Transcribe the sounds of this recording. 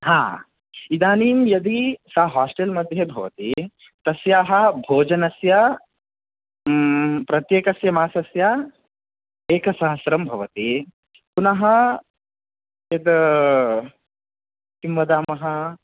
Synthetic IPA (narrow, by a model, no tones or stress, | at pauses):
ɦaː | id̪aːniːmjɐd̪isɐɦaːsʈelmɐd̪ʱjɐbʱɐʋɐt̪i | t̪ɐsjaːɦɐbʱoːd͡ʒɐnɐsjɐ | pɾɐt̪jeːkɐsjɐmaːsɐsjɐ | eːkɐsɐɦɐsɾɐmbʱɐʋɐt̪i | punɐɦɐ | jɐd̪ | t̪imʋɐd̪aːmɐɦɐ